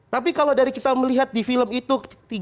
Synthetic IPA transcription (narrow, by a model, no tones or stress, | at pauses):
t̪ap̬ikaladaɾikit̪aməliɦat̪̚difiləmit̪ut̪i